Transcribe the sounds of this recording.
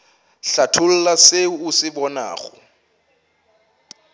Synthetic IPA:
ɬatʰʊl̩lasɪusɪbɔna̰ːχɔ̰

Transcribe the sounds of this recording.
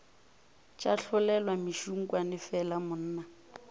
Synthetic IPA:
t͡ʃʼaɬʰʊlɛlwamiʃuŋ̩kʼwanɪfɛlamʊn̩ːna

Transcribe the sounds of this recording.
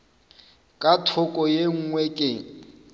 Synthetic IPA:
kʼatʰʊkʼɔjeŋ̩ŋwɛkʼɪ

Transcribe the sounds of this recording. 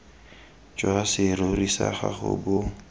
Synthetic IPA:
t͡ʃʼwasɪɾorisaχaχʊ̰bʊ

